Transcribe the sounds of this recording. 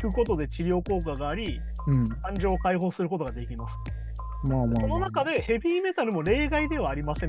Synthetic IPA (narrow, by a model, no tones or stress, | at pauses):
kɯ̟ko̞t̪o̞d̪e̞t͡ɕiɾʲjo̞ːko̞ːkaɡaːɾʲĩ | kãɲ̟d͡ʑo̞ːkaiɦo̞ːsɨɾɯ̟ko̞t̪o̞ɡad̪e̞kʲimasɨ̥ | maːmaso̞no̞nakad̪e̞he̞bʲiːme̞t̪aɾɯ̟mo̞ɾe̞ːɡaid̪e̞β̞aːɾʲimasẽ̞